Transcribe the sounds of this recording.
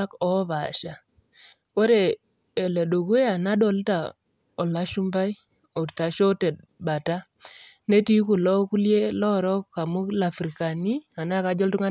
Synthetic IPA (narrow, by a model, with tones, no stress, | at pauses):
kɔ˦βa˨ʃa˨ | ko˦ɾe˨ | e˨lɛ˨ɗo˨ku˦ja˨na˦ɗɔ˨lta˨ | ɔ˨la˦ʃu˦mba˦j | o˨ɾta˨ʃɔ˦tɛ˨t̚ba˨ta˦ | ne˦ti˦ku˨lɔ˦ku˦lje˦lɔ˦ɾɔ˦kka˨mʊ˦kla˨fɾi˨ka˨ni˦a˨na˦ka˨˦d͡ʒɔ˦ltu˦ŋa˦